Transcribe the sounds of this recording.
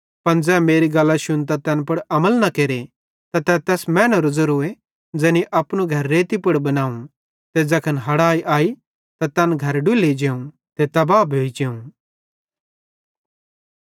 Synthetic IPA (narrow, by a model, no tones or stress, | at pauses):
pɐnd͡zɛːmeːɾiɡɐlːaʃʊnt̪̬at̪ɛːnpɐɽɐməlnɐkeːɾe | t̪at̪ɛt̪ɛːsmɛ̃ːnɐɾʊzɐɾoːe | d͡ʒɛːniʔɐpñuɡʱɐɾːeːt̪ipɐɽbɐnaːũ | t̪ed͡zɛkʰɐnɦɐɽaːiʔaːi | t̪at̪ɛːnɡʱɐɾɖʊlid͡ʒeːũ | t̪et̪ɐbaːbʱoːid͡ʒeːũ